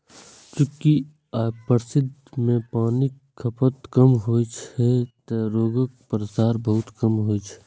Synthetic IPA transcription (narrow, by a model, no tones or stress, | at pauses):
t͡ʃʊki | aːpəɾsɪd̪ʱmẽpaːni | kʰəpət̪kəmɦoːjt͡ʃʰɛt̪əɾoːɡək̚pɾəsaːɾbəɦʊt̪kəmɦoːjt͡ʃʰɛ̥